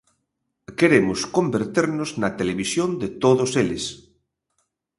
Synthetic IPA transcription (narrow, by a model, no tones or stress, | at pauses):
keɾemʊskõmbeɾt̪eɾnoznɐt̪eleβ̞isjond̪et̪oðoselɪs